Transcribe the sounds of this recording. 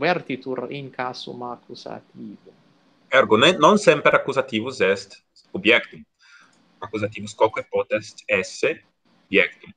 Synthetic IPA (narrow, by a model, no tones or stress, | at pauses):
vɛɾt̪it̪uɾiŋkaːsṵmakusa̰t̪iːvu | ɛɾɡonenonsɛmpeɾakːuzat̪iːvusɛst̪ | objɛkt̪im | akuzat̪iːvuskɔkwepɔt̪ɛst̪ɛsːe | objɛkt̪im